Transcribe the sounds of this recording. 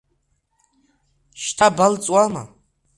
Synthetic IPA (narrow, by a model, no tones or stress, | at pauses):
ʃtʰabalt͡sʼwama̰